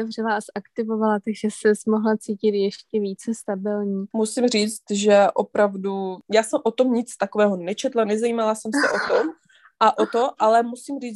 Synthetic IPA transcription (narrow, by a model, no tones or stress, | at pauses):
ɛvr̝ɛlaʔasʔakt̪ɪvovalat̪aɡʒɛsɛsmoɦlat͡siːcɪt̪jɛʃcɛviːt͡sɛst̪abɪlɲiːmusimriːt͡st̪ʒɛʔopɾavdujaːsɛmʔot̪omɲɪt͡st̪akovɛːɦonɛt͡ʃɛt̪lanɛzaiːmalasɛmsɛʔot̪om | ʔaʔot̪oʔalɛmusimriːt͡s